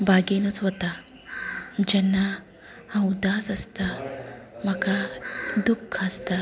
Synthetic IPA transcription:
bʱaɡenət͡sʋɔt̪a | d͡ʑɛnːa | hãud̪aːsəst̪a | m̤akad̪ukʰːəst̪a

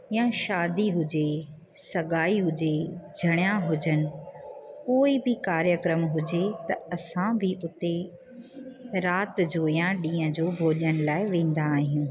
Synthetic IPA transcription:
ɪjãʃaːd̪iɦʊd͡ʑe | sɐɠaːiɦʊd͡ʑed͡ʑʱɐɽ̃jãɦʊd͡ʑənɪ̆koːibɪkaːɾjəkɾəmɦʊd͡ʑet̪ɐɐsãbʱɪʔʊt̪e | ɾaːt̪d͡ʑoːjãɗĩːə̃d͡ʑoːbʱoːʄəñɪ̆laːɪʋẽːn̆d̪aːɦijũ

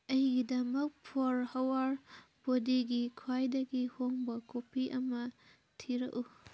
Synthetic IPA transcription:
ɐjɡidɐmɐk̚pʰoɾhɐwaɾpodiɡikʰwajdɐɡihoŋbɐkopʰiʔɐmɐ | tʰiɾɐ̰ku

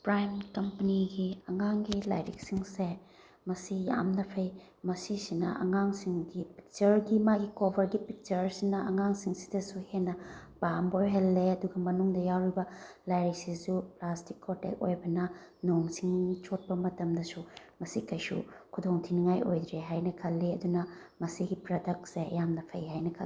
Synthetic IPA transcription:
pɾajmkɐmpɐniɡiɐŋaŋɡila̰jɾḭk̚siŋse | mɐsija̰mnɐpʰɐj | mɐsisinɐ̰ʔɐ̰ŋaŋsiŋɡipik̚t͡ʃɐɾɡimaɡikobʱɐɾɡipik̚t͡ʃɐɾsinɐɐŋaŋsiŋsi̥dɐsuhenːɐb̥amboɾɦelːeɐduɡɐmɐnuŋdɐjawɾibɐ | lajɾisisuplastikʰːotḛk̚o̰jbɐnɐnoŋsiŋt͡ʃot̚pɐmɐtɐmdɐsumɐsikɐjsṵkʰudoŋtʰiniŋajʔojd̪ɾeɦajnɐkʰɐlːeɐdunɐ | mɐsiɡipɾodɐk̚tseɐjamnɐpʰɐjɦajnɐkʰɐ̰l

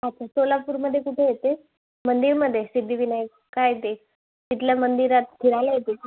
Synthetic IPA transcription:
atːasolapuːɾməd̪ʱːjekuʈʰejet̪e | mənd̪iɾməd̪ʱːjesid̪ʱiʋina | kajet̪e | t̪it̪ljamənd̪iɾat̪̚t̪ʰiɽajlajet̪e

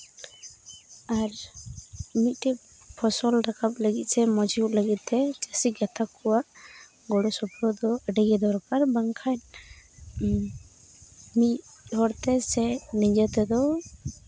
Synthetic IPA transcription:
aɾ | mit̪̚ˀʈɛ | pʰɔsɔlɾakʰap̚ləɡit̪̚sɛmɔd͡ʒuʔləɡit̪̚t̪ɛt͡ʃəsiɡat̪ʰakɔwaʔ | ɡɔɽɔsɔpɾɔd̪ɔəɖɛɡɛd̪ɔɾɔkaɾbaŋkʰat̪̚ | mit̪̚ɔɾt̪ɛsɛnid͡ʒət̪ɛd̪ɔ

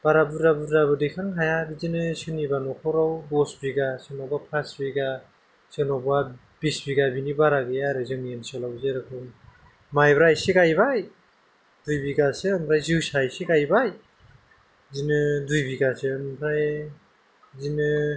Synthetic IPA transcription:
b̥aɾabuɾabuɾabɯdɯjkʰaŋɦajaɾizinɯsɯnibanɔkʰawɾawbɔsbiɡasɯnɔbapʰasbiɡa | sɯnɔba | b̥isbiɡabinibaɾaɡɯjaɾɯzɯŋensɔlawzeɾakʰɯn | majbɾajseɡajbaj | dujbiɡaseɯmbʰɾajzɯwsajseɡajbaj | zinɯdujbiɡaseɯmbʰɾaj | zinɯ

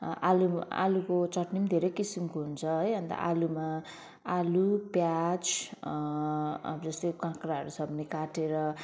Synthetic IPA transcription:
alua̰lukot͡sʌʈnimd̪ʱeɾʌjkisimkoɦunt͡sʰʌɦʌjɦʌnt̪ʌ̰ʔaluma | alupjat͡s | d͡zʌst̪okãkraɦʌ̰ɾusʌbnikaʈeɾʌ

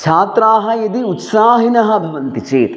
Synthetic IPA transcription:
t͡ʃʰaːt̪ɾaːɦɐjɐd̪iut̪saːɦinɐɦɐ̆bʱɐʋɐnt̪it͡ʃeːt̪

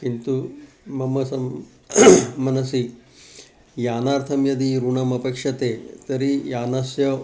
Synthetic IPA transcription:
kint̪u | mɐmɐsɐm | ɐnɐsi | jaːnaːɾt̪ʰɐmjɐd̪iɾuɳɐmɐpeːkʂɐt̪eːt̪ɐɾijaːnasjɐ

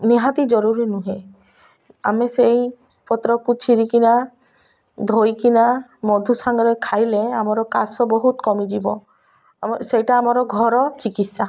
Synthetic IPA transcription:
neɦãt̪id͡ʒɔɾuɾinuɦe | a̰mesej | pɔt̪ɾɔkut͡ʃʰiɾikina | d̪ʱojkinamɔd̪ʱusaŋɡɔɾɔjkʰajleamɔɾɔkasɔbɔɦut̪kɔmid͡ʒibɔ | sejʈaːmɔɾɔɡʱɔɾɔt͡ʃikit̪sa

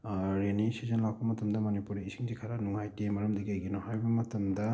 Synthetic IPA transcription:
ɾenisizɐnlawk̚pɐmɐtɐmdɐmonipuɾiisiŋzikʰɐɾɐnuŋajtemɐɾɐmdiɡejɡenɔhajbɐmɐtɐmdɐ

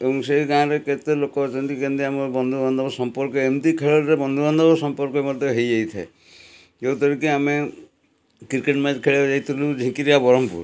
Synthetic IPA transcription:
ebɔŋseɡãɾeket̪elokɔt͡ʃʰɔnt̪ikend̪iamɔbɔnd̪ʱubɔnd̪ʱɔbɔsɔmpɔɾkɔemt̪ikʰeɭɔlɾebɔnd̪ʱubɔnd̪ʱɔbɔsɔmpɔɾkɔemɔd̪ʱjɔɦejd͡ʒajt̪ʰae | eut̪ɔɾikiame | kiɾkeʈmad͡ʒkʰeɭed͡ʒajt̪ʰulud͡ʒʱĩkiɾiabɔɾɔmpṵɾ

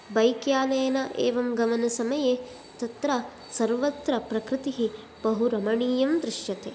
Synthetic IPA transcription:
bɐjkjaːlɐjɐnɐʔḛːʋɐmɡɐmɐnɐsɐmɐjeː | t̪ɐt̪ɾɐ | sɐɾʋɐt̪ɾɐpɾɐkɾɪt̪iɦi | bɐɦuɾɐmɐɳiːjɐmd̪ɾɪʃjɐt̪eː

